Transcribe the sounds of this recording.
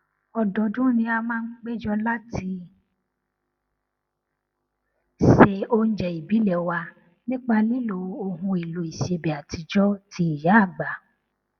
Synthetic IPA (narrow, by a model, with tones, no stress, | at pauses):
ɔ˧dɔ˨dũ˦nĩ˧a˧mãː˦ɡ͡be˦d͡ʒɔ˦la˦ti˧ | ʃe˨o˧n̩˨˦d͡ʒɛ˨i˨bi˨˦lɛ˨wa˧ | nĩ˦k͡pa˧nĩ˦lo˧˨o˧ɦũ˧i˨lo˧˦i˨ʃe˧bɛ˨a˨ti˧d͡ʒɔ˦tʰi˧i˨ja˨˦a˦˨ɡ͡ba˨